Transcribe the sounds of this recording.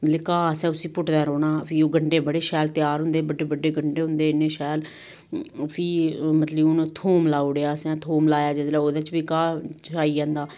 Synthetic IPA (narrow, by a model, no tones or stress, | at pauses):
mət̪ləkaːəsɛ̃ːʊsĩːpʊʈd̪ɛ̃ːɾoːɽaːpʰiːoːɡəɳɖeːbəɽeːʃɛːlt̪jaːɾɦʊnd̪eːbəɖeːbəɖeːɡəɳɖeːɦʊ̃nd̪eːɪnːẽːʃɛːl | pʰiːmət̪ləbʊnːt̪ʰoːmlaːoːɽeaːsɛ̃ːt̪ʰoːmlaːjaːd͡ʒəzlaːoːd̪at͡ʃbiːkaːt͡ʃaːiːd͡ʒãːnd̪aː